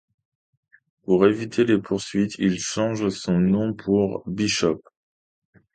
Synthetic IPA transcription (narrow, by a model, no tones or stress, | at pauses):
puʁevit̪ʰelepʰuʁsɥit̪ʰilʃɑ̃ʒsɔ̃nɔ̃pʰuʁbiʃɔp